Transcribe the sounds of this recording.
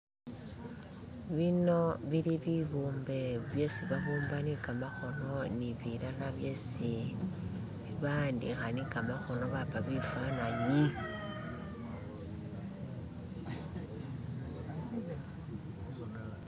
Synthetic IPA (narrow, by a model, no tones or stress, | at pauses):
βino̞βiliβiβuːmbe̞βje̞siβaβuːmbanikɡamaxo̞no̞niβilalaβje̞si | βiβaːndḭxanikamaxo̞no̞βapaβifwanaɲi